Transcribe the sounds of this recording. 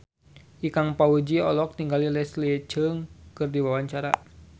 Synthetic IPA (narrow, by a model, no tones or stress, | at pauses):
ʔikaŋpaud͡ʒiɔlɔk̚t̪iŋɡalilɛslit͡ʃəŋkɨrdiwawaɲt͡ʃaɾa̰